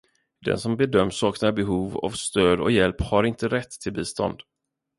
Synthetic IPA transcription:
d̪ɛ̰nsɔmbɛd̪œmːsɑːknabɛɦuːvɔ̰vst̪øːd̪ɔ̰jɛlphaɾɪnt̪əɾɛt̪ʰːɪlbiːst̪ɔ̰nd̪̥

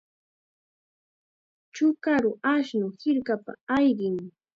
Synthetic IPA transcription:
t͡ʃʊkaɾʊaʃnʊhɪɾkapa̰ajɢɪŋ

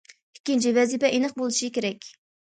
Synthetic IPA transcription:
i̥kʲːint͡ʃivɛzipɛʔenɨqbolˠɨʃikʲeɾɛkʲ

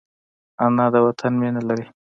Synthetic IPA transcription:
anɑd̪əwat̪ʰanmenalaɾi

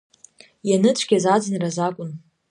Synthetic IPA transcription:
janɨt͡ɕʷʰɡʲazad͡zɨnirazakʷʼʊn

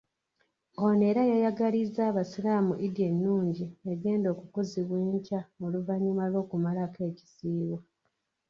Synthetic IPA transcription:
one̞ːɾajajaɡalizaːβasilaːmuʔidienːuːɲɟieɡe̞ːndo̞ːkukuziβweːɲcamoluvaɲumalwo̞ːkumalake̞ːci̥siːβwa

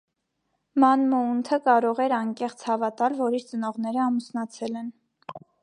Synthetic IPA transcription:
mɑnməunt̪ʰəkɑɾɔʁɛɾɑŋkɛχt͡sʰhɑvɑt̪ɑlvɔɾiɾt͡sənɔʁnɛɾəɑmusnɑt͡sʰɛlɛn

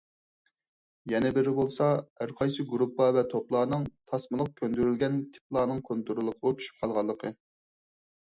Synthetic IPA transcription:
jɛnɛbɪɾɪbolˠsɑhæɾqʰɑjsɨɡuɾupːɑvɛt̪ʰoplˠɑːnɨŋt̪ʰɑsmɨlˠʊq̚kʲʰønd̪yɾylɡʲɛnt̪ʰɪ̥p̚ʰlˠɑːnɨŋkʰont̪ʰuɾɨlˠəqʰəət͡ʃ̪ʰy̥ʃy̥p̚qʰɑlˠʁɑlˠːəqʰə

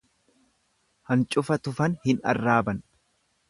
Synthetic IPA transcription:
hɐnt͡ʃʼʊfɐt̪ʊfɐnhɪnɐ̰rːaːbɐn

